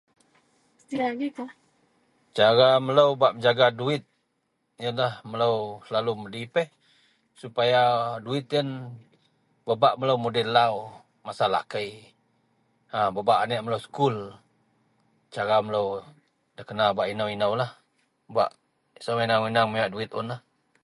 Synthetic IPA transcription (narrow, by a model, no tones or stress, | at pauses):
st̪iaɡika | t͡ʃaɾamələwbaʔməɲd͡ʒaɡaduɪt̪̚ | jənlahmələwsəlalumədipɛh | supajaduɪt̪̚jən | babaʔmələwmudɛlaw | masala̰kəj | ababaʔanɛʔmələwsə̥kul | t͡ʃaɾamələw | dəkənabaʔinəwinəwlah | ba̰ʔ | samainawinaŋmiaʔduɪt̪̚ʊnlah